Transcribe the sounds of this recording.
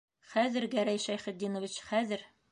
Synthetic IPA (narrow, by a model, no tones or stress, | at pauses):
χæðɘɾɡæɾæjʃæjχɘ̆t̪̚d̪inŏvʲit͡ɕχæðɘɾ